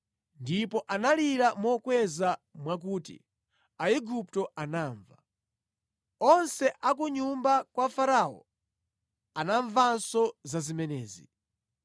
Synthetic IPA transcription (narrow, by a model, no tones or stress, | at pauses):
ndipɔʔanaliɾamɔkwɛzamwak̬uːtḭ | aiɡup̚tɔʔanaːɱva | ɔnsɛʔak̬uɲumbakwafaɾaːɔ̰ | anaɱvansɔzazimɛnɛːzi